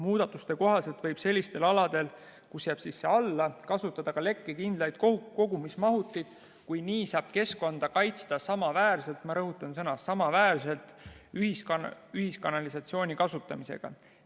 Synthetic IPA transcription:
muːd̪̥ɑt̪ːˑust̪e̞ko̞ɦɑse̞lt̪vɤjb̥se̞lʲːist̪e̞lɑlɑd̪̥e̞l | kusjæːb̥sisːe̞ɑlːɑkɑsut̪ːˑɑd̪̥ɑkɑle̞kːekind̪lɑjd̥̪̚koko̞ɡ̥umismɑɦut̪ːˑijd̪̥ | kujniːsɑːb̥̚ke̞skond̪̥ɑkɑjt̪st̪ɑsɑmɑvæːrse̞lt̪mɑɾɤɦut̪ːˑɑnsɤnɑsɑmɑvæːrse̞lt̪yhisyhiskɑnɑlisɑt̪sio̞ːnʲikɑsut̪ːˑɑmise̞̰ɡ̥ɑ̰

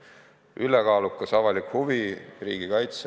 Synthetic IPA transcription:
ʔylekɑːlukːˑɑsɑvɑlikhuviriːɡ̥ikɑjt̪s

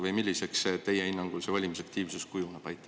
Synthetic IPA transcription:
vɤjmilʲːisekset̪e̞jeinːɑŋɡ̥ulsevɑlʲimisɑkt̪iːvsuskujunɑb̥ɑjt̪ːˑɑ

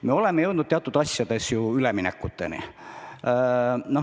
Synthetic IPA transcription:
meo̞le̞meje̞wd̪nud̪̚eɑt̪ːud̪̥ɑsʲjɑd̪̥e̞sjuyleminekːˑut̪ːe̞̰nḭ | no

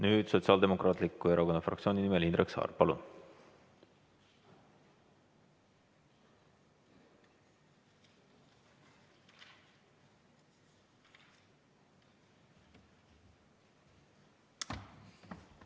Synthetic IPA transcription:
nyːd̪̥so̞t̪siɑːld̪e̞mo̞krɑːt̪likːˑueɾɑko̞nːɑfrɑ̰kt̪sʲio̞ːninimelind̪ɾeksɑ̰ːrpɑlṵn

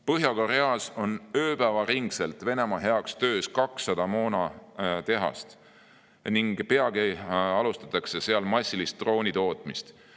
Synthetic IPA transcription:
pɤɦjɑkoɾeɑso̞nø̞ːpæːvɑɾiŋɡse̞lt̪ve̞ne̞mɑɦe̞ɑkst̪ø̞ːskɑksːɑd̪̥ɑmo̞ːnɑt̪e̞ɦɑ̰st̪ | niŋɡ̥peɑɡeɑlust̪ɑ̥t̪ːˑɑkse̞se̞ɑlmɑsʲːilist̪ːro̞ːnʲit̪o̞ːt̪ˑmist̪

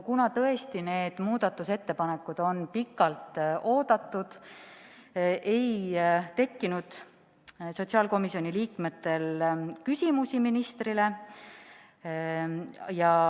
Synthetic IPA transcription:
kunɑt̪ɤ̞e̞st̪ine̞ːd̪̥muːd̪̥ɑt̪ːˑuse̞t̪ːe̞pɑne̞kːˑud̪̥o̞npikːˑɑlt̪o̞ːd̪̥ɑt̪ːˑud̪̥ | ʔe̞jt̪e̞kːinud̪̥ | so̞t̪sɑːlko̞misio̞nʲiliːkme̞t̪ːe̞lkysʲimusiminist̪rile̞ | jɑ

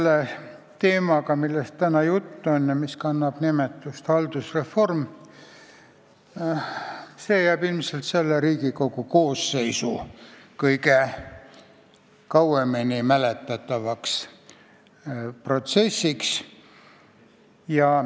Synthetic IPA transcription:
lːe | t̪e̞ːmɑkɑmilːest̪t̪ænɑjut̪ːuo̞njɑmiskɑnːɑb̥nimet̪ːˑust̪hɑld̪̥usre̞fo̞rm | se̞ːjæːb̥ilmselt̪se̞lːeɾiːɡiko̞ɡuko̞ːsːe̞jsṵkɤjke | kɑwemenimælet̪ːˑɑt̪ːˑɑvɑks | pro̞t̪se̞sʲːiks | jɑ

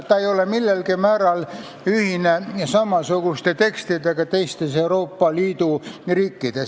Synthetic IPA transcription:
t̪ːɑejo̞lemilːelkimæːɾɑl | yhinesɑmɑsuɡ̥ust̪et̪e̞kst̪id̪eɡ̥ɑt̪e̞jst̪e̞seuɾo̞ːpːɑliːd̪uriːkːid̪̥es

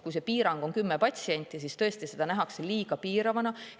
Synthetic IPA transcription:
kujse̞piːɾɑŋɡ̥o̞nkymːepɑt̪ʲsie̞nʲt̪ˑːis̬ist̪ɤ̞est̪ise̞d̪ɑnæɦɑkseliːɡ̥ɑpiːɾɑvɑnɑ

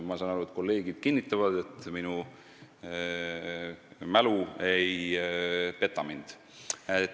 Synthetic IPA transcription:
mɑsɑːnɑɾuet̪̚ko̞lːe̞ːɡid̪̥̚kinʲːit̪ːˑɑvɑd̪e̞t̪minu | mæluej | pe̞t̪ːˑɑmind̪̥ | e

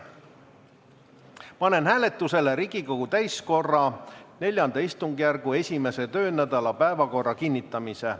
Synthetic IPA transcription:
pɑne̞nɦæːle̞t̪ːˑuse̞leɾiɡ̥iko̞ɡut̪æjsko̞rːɑne̞lʲjɑnd̪̥ɑist̪uŋɡ̥jærɡ̥ue̞sʲime̞se̞t̪ø̞ːnæd̪ɑlɑpæevɑko̞rːɑkinːit̪ːˑɑmise

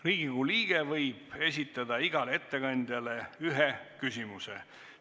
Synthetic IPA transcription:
riːɡ̥iɡuliːɡ̥evɤjb̥e̞s̬ʲit̪ːˑɑd̪ɑiɡ̥ɑleet̪ːe̞kɑnʲd̪̥ʲjɑle̞yɦekysʲimusḛ

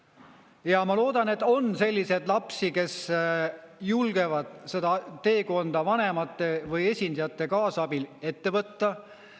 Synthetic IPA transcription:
jɑmɑlo̞ːd̪̥ɑne̞t̪ːˑo̞nse̞lʲːise̞d̪̥lɑpsike̞s | julɡ̥e̞vɑd̪̥se̞d̪̥ɑt̪e̞ːko̞nd̪̥ɑvɑne̞mɑt̪ːˑe̞vɤje̞sʲind̪̥ɑjɑt̪ːe̞kɑːsɑbile̞t̪ːe̞vɤt̪ːɑ

